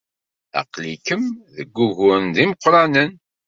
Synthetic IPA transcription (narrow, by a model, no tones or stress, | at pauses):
ɑ̰qlikəmðəɡʷːuʝʊnd̪iməqːɾˤɑnən